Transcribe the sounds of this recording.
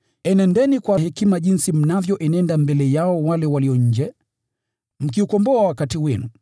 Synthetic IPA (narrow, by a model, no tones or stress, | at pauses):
ɛnɛndɛnikwahɛkimaʄinsim̩navjɔʔɛnɛndambɛlɛjaɔwalɛwaliɔɲ̩d͡ʒɛ | m̩kiukɔmbɔawakatiwɛnu